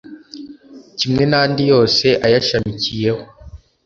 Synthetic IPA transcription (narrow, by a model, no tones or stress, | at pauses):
cimŋe̞naːndijo̞ːse̞ʔajaʃamicije̞ho